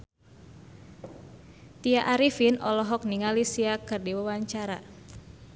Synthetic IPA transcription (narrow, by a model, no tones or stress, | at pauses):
t̪iaʔaɾifinɔlɔɦɔk̚niŋalisiakɨrdiwawaɲt͡ʃaɾa